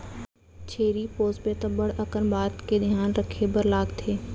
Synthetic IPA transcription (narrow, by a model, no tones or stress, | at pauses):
t͡ʃʰeːɾipoːspet̪əbəɽɐkənbaːt̪ked̪ʱjaːnɾɐkʰebəɾlaːɡt̪ʰeː